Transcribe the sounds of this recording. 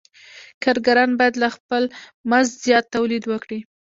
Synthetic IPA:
kɑɾɡaɾɑnbɑjad̪laxpəlmanzzjɑt̪ːawlid̪wəkɽi

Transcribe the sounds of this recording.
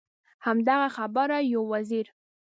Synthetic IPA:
hamd̪aɣaxabaɾajawaziɾ

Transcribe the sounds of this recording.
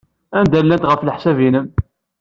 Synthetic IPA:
ænd̪ælːænt̪ʁəfləħsævinəm

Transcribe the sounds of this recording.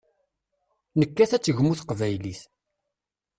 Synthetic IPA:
nəkːæθæt͡sːəʝmuθqvæjliθ

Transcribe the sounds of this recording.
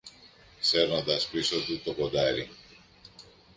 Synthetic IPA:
seɾnɐt̪ɐspisot̪ut̪okod̪aɾḭŋ

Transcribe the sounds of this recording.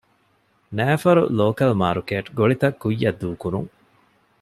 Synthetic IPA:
næːfɐɾṵloːkɐlmaːɾukeːʈɡoɭit̪ɐkːujːɐd̪ːuːkuɾṵŋ

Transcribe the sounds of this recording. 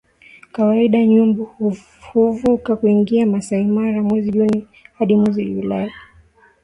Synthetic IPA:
kawaiɗaɲumbuh | huvukakuiŋɡiamasaimaɾamwɛziʄuni | haɗimwɛziulaja

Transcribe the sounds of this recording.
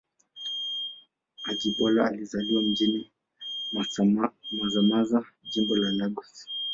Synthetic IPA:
ad͡ʒiɓɔlaalizaliwam̩d͡ʒini | mazamaza | d͡ʒimbɔlandaɡɔi̥

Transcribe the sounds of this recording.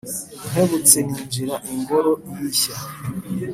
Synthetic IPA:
n̥eβut͡seniːnd͡ʒiɾaʔiŋɡoɾojiɕa

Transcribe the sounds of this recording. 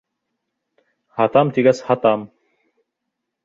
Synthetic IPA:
hat̪amt̪iɡæshat̪am

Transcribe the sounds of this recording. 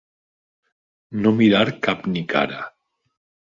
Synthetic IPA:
nomiɾaɾkapnikʰa̰ɾa

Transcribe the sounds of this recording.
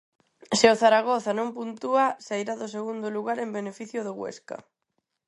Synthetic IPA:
seoθaɾaɣ̞oθanõmpunt̪uasajɾaðoseɣ̞und̪oluɣaɾembenefiθjoðoɣwḛska̰

